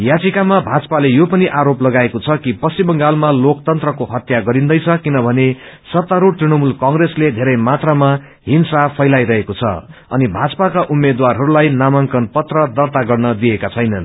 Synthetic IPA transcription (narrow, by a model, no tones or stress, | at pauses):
jat͡sikamabʱat͡sʌ̥palejopʌniʔaɾoplʌɡaekot͡sʰʌkipʌsibʌŋɡalmalok̚t̪ʌnt̪rʌkoɦʌt̪jaɡʌɾind̪ʌjt͡sʰʌkinʌbʱʌnesʌt̪ːaɾoʈ̪rinʌmulkʌŋɡresled̪ʱeɾʌjmat̪rama | ɦinsapʰʌjlajɾʌɦekot͡sʰʌ̰ʌ̰nibʱat͡sʌ̥pakaʔumːed̪warɦʌɾulajnamʌŋkʌnpʌt̪rʌd̪ʌrt̪aɡʌrnʌd̪iekat͡sʰʌjnʌn